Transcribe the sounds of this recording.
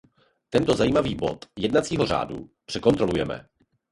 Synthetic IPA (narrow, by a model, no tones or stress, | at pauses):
t̪ɛnt̪o̞zajiːmaviːbo̞̰t̪jɛdnat͡siːɦo̞r̝a̰ːdṵpr̥ɛko̞nt̪ɾo̞lujɛmɛ̰